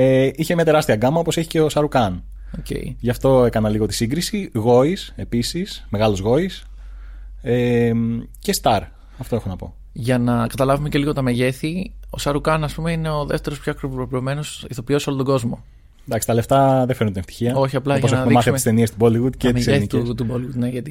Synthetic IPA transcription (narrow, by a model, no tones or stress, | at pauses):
eiçemɲɐt̪e̞ɾɐst̪iɐɡɐmɐoposeçi̥ce̞osɐɾukɐn | ocḛḭʝɐft̪o̞ekɐnɐliɣo̞t̪i̥siŋɡɾisiɣo̞ise̞pisisme̞ɣɐlozɣo̞is | e | ce̞st̪ɐɾ | ɐft̪o̞e̞xonɐpo̞̰ | ʝɐnɐkɐt̪ɐlɐvume̞ce̞liɣo̞t̪ɐme̞ʝe̞θio̞̰sɐɾukɐnɐspume̞ine̞o̞ðe̞̰ft̪e̞ɾopçoɐkɾopoɾopiome̞no̞siθo̞pio̞so̞lot̪oɡo̞zmo̞ | nd̪ɐksi̥t̪ɐleft̪ɐðefeɾunt̪ineft̪i̥çiɐo̞çiɐplɐʝposɐenɐðmimɐθsemist̪eniest̪uboliɣud̪cemiseθiit̪t̪uboliɣud̪neʝɐt̪i